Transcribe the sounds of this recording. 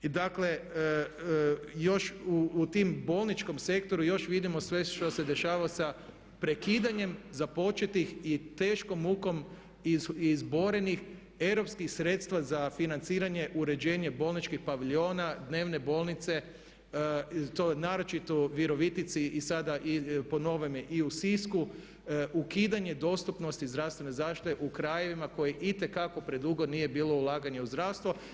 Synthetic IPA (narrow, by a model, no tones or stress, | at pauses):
id̪akle̞ | jo̞ʃuːt̪imbo̞ːlˠnit͡ʃko̞mse̞kt̪o̞ɾujo̞ʃʋid̪imo̞sʋe̞ʃt̪o̞se̞d̪e̞ʃaːʋaosa | pɾe̞kiːd̪aɲe̞mzapo̞t͡ʃe̞t̪ixit̪e̞ːʃko̞muko̞m | izbo̞ɾe̞nix | e̞wɾo̞pskixsɾe̞t̪st̪ʋazafinant̪siːɾaɲe̞ʔuɾe̞d͡ʒe̞ːɲe̞bo̞lˠnit͡ʃkixpaʋiʎio̞ːnad̪ne̞ːʋne̞bo̞lˠnit̪se̞ | t̪onaːɾo̞t͡ʃit̪oʋiɾo̞ʋit̪it̪siːsad̪aʔipo̞no̞ʋemeʔiusisku | ukiːd̪aɲe̞d̪o̞st̪upno̞st̪izd̪ɾafst̪ʋe̞nezaʃt̪i̥t̪eʔukɾaje̞ʋimako̞jeʔit̪e̞kako̞pɾe̞d̪uːɡo̞d̪nije̞biːlˠo̞ulˠaːɡaɲeuzd̪ɾawst̪ʋo